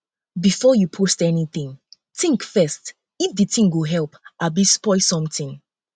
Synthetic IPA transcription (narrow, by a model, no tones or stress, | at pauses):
bifɔjupʰostɛniθĩŋ | tĩŋkfɛst | ifdɨtĩŋɡoɦɛlˠpʔabispɔɪsɔ̃mtĩŋ